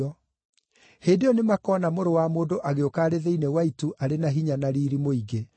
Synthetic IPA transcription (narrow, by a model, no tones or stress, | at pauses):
ɔ | heːdeɔnemakɔnamoɾowamoːdoʔaɣeokaːɾeðeinewaituʔaɾenaɦiɲanaɾiːɾimoiɡe